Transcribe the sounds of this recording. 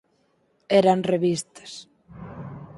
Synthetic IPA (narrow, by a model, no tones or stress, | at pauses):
ɛɾanreβist̪ɐ̥s